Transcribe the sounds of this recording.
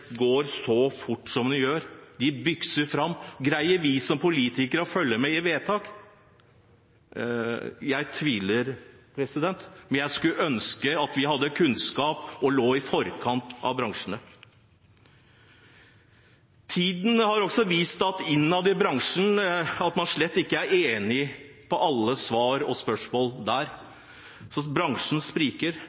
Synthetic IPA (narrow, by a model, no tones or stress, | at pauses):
ɡoːɾsɔfʊʈːsɔmd̪ɪjøːɾd̪ɪbʏksəɾfɾɑmːɡɾæɪəʋɪsɔmpʊliːt̪ɪkəɾəɔfœlːəmɛɪʋeːt̪ʰɑːk | jæɪt̪ʰʋiːləɾ | pʰɾɛsɪd̪ɛnt̪mɛnjæɪskʉœnskəɑt̪ʋɪɦɑd̪ːəkʰʉnskɑːpɔloːɪfɔɾkʰɑnt̪ɑ̰ʋbɾɑŋʂənə | t̪ʰiːd̪n̩hɑɾɔksɔʋiːst̪ɑt̪ɪnːɑd̪ɪbɾɑŋʂənɑt̪mɑnʂɭɛt̪ːɪkːəæɾeːnɪpʰɔʔɑlːəsʋɑːɾɔspœʂmoːld̪æːɾ | sɔbɾɑŋʂn̩spɾiːkəɾ